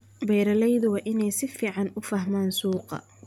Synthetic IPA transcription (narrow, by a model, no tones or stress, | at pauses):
bɛjɾɐlɛjðʊwɑːʔɪnɛjsɪfiːʕɑnʊfɐɦmaːnsuːqɑ̰